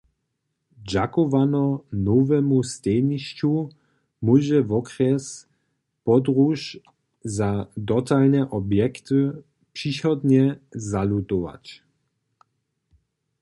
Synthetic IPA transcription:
d͡ʑakɔvanɔnɔvɛmust̪ɛɲiʃt͡ɕu | muʑɛvɔkɾɛs | pɔd̪ɾuʃ | zadɔt̪alnɛʔɔbjɛkt̪ɨ | pʂixɔd̪ɲɛzalut̪ɔva̰t͡ɕ

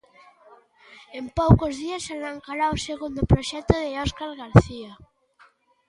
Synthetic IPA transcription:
empowkozðiasʃalaŋkaɾaoseɣund̪ʊpɾoʃɛt̪ʊðeɔskaɾɣaɾθia

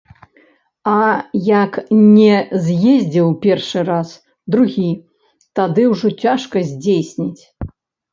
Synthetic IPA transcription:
ɐjaknʲɛzʲjezʲd͡zʲɛwpʲɛrʂɨɾas | d̪ɾuɣʲi | t̪ad̪ɨwʐɔt͡sʲaʂkɐzʲd͡zʲejsʲnʲit͡sʲ

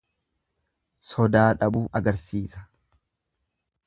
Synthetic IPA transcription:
sɔd̪aːᶑɐbuːʔɐɡɐɾsiːsɐ̥

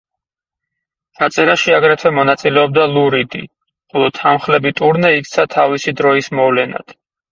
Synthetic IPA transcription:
t͡ʃʰat̪sʼɛɾaʃiaɡɾɛt̪ʰwɛmɔnat̪sʼilɛɔb̚d̪alˠuɾid̪ḭ | χɔlˠɔt̪ʰːamχlɛbit̪ʼuɾnɛik̚ʰt̪sʰat̪ʰavisid̪ɾɔismɔvlɛna̰d̪̥

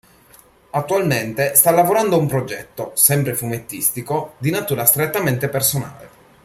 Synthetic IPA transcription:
at̪ːualment̪est̪alːavoɾand̪oumpɾod͡ʒɛt̪ːosɛmpɾefumet̪ːist̪ikod̪inat̪uːɾast̪ɾet̪ːament̪epersona̰ːlḛ

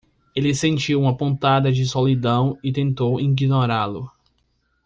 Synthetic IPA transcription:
elɪsẽnt͡ʃiwũmɐpõnt̪ad̪ɐd͡ʒɪsolid̪ɐ̃w̃ɪt̪ẽnt̪owĩɡinoɾalʊ

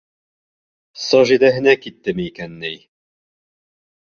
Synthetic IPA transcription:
sɒʒid̪æɦɘ̆nækit̪ːɘmɘikænːɘj

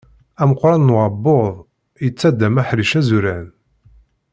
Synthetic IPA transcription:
æməqːɾˤɑnːwʕɑbːoðˤ | jət͡sːæd̪æmæħɾiʃæzuɾæn

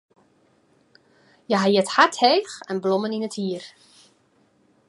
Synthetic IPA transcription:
jəɦajɛthatheːxɛnblɔməninəthiər

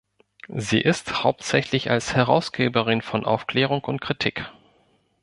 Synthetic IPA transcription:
zḭːʔɪsthaʊp̚tz̥ɛçlɪça̰lshɛʁa̰ʊsɡ̥eːbəʁɪnfɔnʔa̰ʊfkl̥ɛːʁʊŋkʊnt̚kʁ̥itʰiːk

